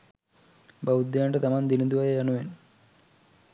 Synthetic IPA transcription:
bɐʋud̪jaːɳʈɐt̪ɐmaːnd̪inid̪uʋɐjɐɐnuʋen

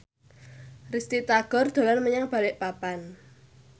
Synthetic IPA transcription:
rist̪it̪aɡ̥ɔ̤rd̪̥o̤lanməɲaŋb̥a̤lɪʔpapan

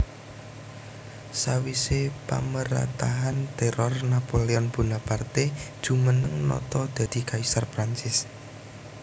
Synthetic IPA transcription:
sawisepa̰məɾa̰t̪aɦant̪ɛɾɔrnapoleɔnb̥ṳnapart̪ed̥ʒ̥ṳmənəŋnɔ̰t̪ɔd̪̥a̤d̪̥i̤kaisarpɾant͡ʃɪs

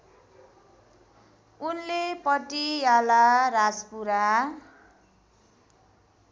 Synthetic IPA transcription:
unlepʌʈijalaɾad͡zpuɾa

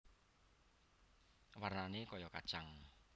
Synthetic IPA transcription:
warnanekɔjɔka̰̥t͡ʃaŋ

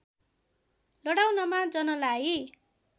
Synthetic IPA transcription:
lʌɽawnʌmad͡zʌnʌlae

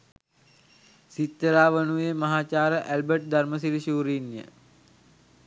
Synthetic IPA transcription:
sit̪ːəɾaːʋənuʋemɐɦaːt͡ʃaːɾəʔælbəʈ̚d̪arməsiɾiɕuːɾinjə̰

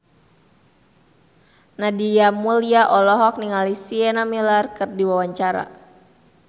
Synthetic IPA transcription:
nadiamuliaʔɔlɔɦɔk̚niŋalisiɛnamilarkɨrdiwawaɲt͡ʃaɾa̰

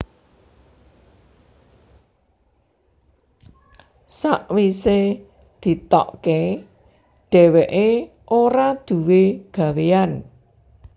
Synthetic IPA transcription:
saʔwise | d̪̥i̤t̪ɔ̰ʔke | ɖ̥ɛ̤wɛʔe | ʔoɾad̪̥ṳweɡ̥a̤wean

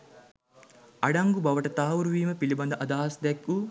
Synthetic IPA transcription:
ɐɖɐŋɡubɐʋɐʈɐt̪aːʋuɾuʋiːməpilibɐnd̪ɐʔɐd̪aːɦɐsd̪ɛkːu

